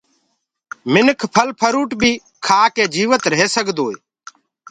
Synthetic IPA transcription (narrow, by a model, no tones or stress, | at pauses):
mɪnəkʰpʰəlpʰəɾuːʈbʱiː | kʰaːkeːd͡ʒiːʋət̪ɾəɦeːsəɡd̪oːeː